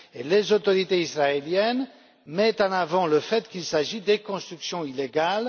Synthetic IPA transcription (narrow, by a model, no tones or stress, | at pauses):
elezot̪ɔʁit̪eisʁaeljɛn | mɛt̪ɑ̃navɑ̃ləfɛt̪kilsaʒid̪ekɔ̃st̪χyksjɔ̃ileɡal